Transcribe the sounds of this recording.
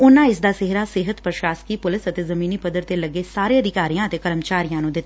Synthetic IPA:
ʊnãːɪsd̪aːsɪɦɾaːsɪɦət̪pɾəʃaːskiːpʊlɪsət̪eːzəmiːniːpəd̪əɾt̪eːləɡeːsaːɾeːəd̪ʱɪkaːɾijãːət̪eːkəɾəmt͡ʃaːɾijãːnũːd̪ɪt̪ːaː

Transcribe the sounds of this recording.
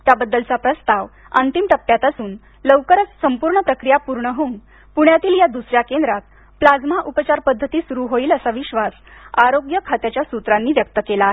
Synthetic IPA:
t̪jabəd̪ːəlt͡sapɾəst̪aʋ | ə̰nt̪imʈəpːjat̪asuːn | ləʋkəɾət͡ssəmpuɾɳəpɾəkɾijapuɾɳəɦoun | puɳ̃jat̪iːljad̪usɾjakend̪ɾak̪̚ | plad͡zmaʔupət͡ɕaɾpəd̪ʱːət̪iːsuɾuɦoiːləsaʋiɕʋasaɾoɡjəkʰat̪jat͡ɕjasut̪ɾanːiːʋjək̚t̪əkelaːɦe

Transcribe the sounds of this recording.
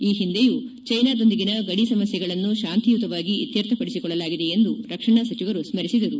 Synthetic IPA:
iːɦind̪ejut͡ʃɐjnaːd̪ond̪iɡinɐɡɐɽisɐmɐsjɐɡɐɭɐnːuʃaːnt̪ijut̪ɐʋaːɡiit̪jɐɾt̪ʰɐpɐɽisikɔɭːɐlaːɡid̪e̞end̪uɾɐkʂɐɳasɐt͡ʃiʋɐɾusmɐɾisid̪ɐɾu

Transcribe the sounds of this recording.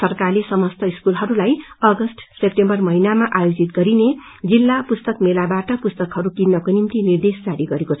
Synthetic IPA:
sʌrkarlesʌmʌst̪ʌiskulɦʌɾulajʌɡʌsʈsep̚ʈembʌrmʌɦinamaʔajod͡zit̪̚ɡʌɾine | d͡zilːapust̪ʌkmelabaʈʌpust̪ʌkɦʌɾukinːʌkonimt̪inird̪esd͡zaɾiɡʌɾekot͡sʰʌ

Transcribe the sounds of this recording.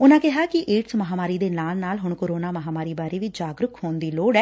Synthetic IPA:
ʊnãːkɪɦaːkɪʔeːʈsməɦaːmaːɾiːd̪eːnaːlnaːlɦʊɳkoːɾoːnaːməɦaːmaːɾiːbaːɾeːʋid͡ʒaːɡɾʊkhoːnd̪iːloːɽɛː

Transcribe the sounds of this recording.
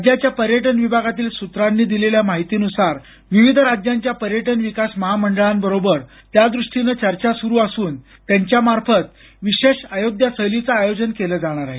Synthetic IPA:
d͡ʑjat͡ɕjapəɾjəʈənʋibʱaɡat̪iːlsut̪ɾanːiːd̪ileljamaɦit̪iːnusaɾ | ʋiʋid̪ʱɾad͡ʑjaɲt͡ɕjapəɾjəʈənʋikasməɦaməɳɖəɭambəɾobəɾ | t̪jad̪ɾuʂʈinət͡ɕəɾt͡ɕasuɾuːasuːn | t̪jaɲt͡ɕjamaɾfət̪ | ʋiɕeɕəjod̪ʱjasəlit͡saːjod͡ʑənkeləd͡zaɽ̃aɾaɦe

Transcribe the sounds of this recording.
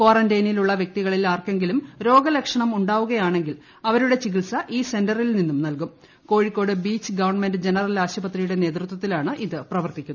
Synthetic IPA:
kwaːrɐndɐjniluɭːɐʋjek̚t̪iɣɐɭilaːrke̞ŋɡilumɾo̞ːɡɐlɐkʂɐɳɐmuɳɖaːʋuɣɐjaːɳe̞ŋɡil | ɐʋɐɾuɽe̞t͡ɕiɣilsɐʔiːse̞ndɐrilninːumnɐlkum | ko̞ːɻikːo̞ːɽɨbiːt͡ɕːɨɡɐʋɐrɳme̞ndɨd͡ʑe̞nɐrɐlaːɕɐbɐt̪rijuɽe̞ne̞ːt̪rɨt̪wɐt̪ːilaːɳɨʔiðɨprɐʋɐrt̪ikʲːun

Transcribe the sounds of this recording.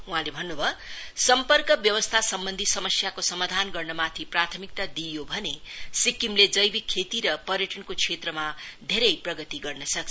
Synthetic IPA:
uɦãlebʱʌnːubʱʌsʌmpʌrkʌbjʌwʌst̪ʰasʌmbʌnd̪ʱisʌmʌsjakosʌmad̪ʱanɡʌrnʌmat̪ʰiprat̪ʰʌmik̚t̪ad̪ijobʱʌnesikimled͡zʌjbikʰːet̪iɾʌpʌrjʌʈʌnkot͡sʰet̪rʌmad̪ʱeɾʌjprʌɡʌt̪iɡʌrnʌsʌk̚ʰ

